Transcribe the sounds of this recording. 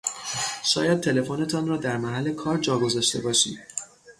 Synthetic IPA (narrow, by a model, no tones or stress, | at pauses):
ʃɒ̰ːjæd̪̚t̪ʰe̞le̞fone̞t̪ʰɒnrɒːd̪æɾmæɦælːe̞kʰɒːɾd͡ʒɒːɡo̞zɒːʃt̪e̞bɒːʃḭːd̪̥